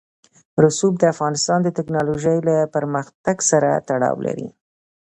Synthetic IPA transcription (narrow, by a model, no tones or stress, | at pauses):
ɾʊsub̚d̪əafɣɑnɪst̪ɑnd̪ət̪ɪknɑloʒəjlapəɾməxt̪aɡsaɾa̰t̪aɽɑ̰wlʔa̰ɾḭ